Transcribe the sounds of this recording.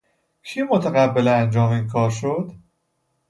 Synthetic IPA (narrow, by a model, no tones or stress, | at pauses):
kʰiːmot̪ʰæɣæbːeleænd͡ʒɒːmiːnkʰɒːɾʃod̪̥